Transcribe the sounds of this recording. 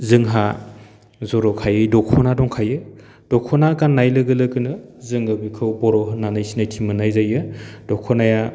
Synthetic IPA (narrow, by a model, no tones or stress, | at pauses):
zɯŋɦa | zɔɾɔkʰajɯjdɔkʰɔnadɔŋkʰajɯ | d̥ɔkʰɔnakanːajlɯɡɯlɯɡɯnɯzɯŋɯbikʰɯwbɔɾɔɦɯnanajsinajtʰimɯnajzajɯd̥ɔkʰɔnaja